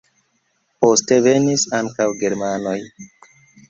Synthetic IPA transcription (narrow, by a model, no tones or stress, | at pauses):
po̞ste̞ve̞nisaŋkawɡe̞ɾmano̞j